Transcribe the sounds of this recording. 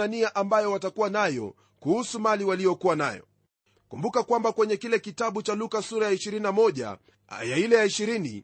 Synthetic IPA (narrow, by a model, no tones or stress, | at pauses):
aniaʔambajɔwatakuwanajɔ̰ | kuhusumaliwalijɔkuwanajɔ̰ | kumbukakwambakwɛɲɛkilɛkitaɓut͡ʃalukasuɾajaiʃiɾininamɔʄa̰ | a̰jailɛjaiʃiɾini